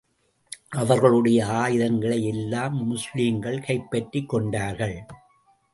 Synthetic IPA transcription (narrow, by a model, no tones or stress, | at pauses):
ʔɐʋɐɾɣɐɭɯɽɐjɐaːjɪɾɐŋɡɐɭɐjɛlːaːmːʊsliːmɡɐɭkɐɪpːɐʈrɪkːɔɳɖaːɾɣɐɭ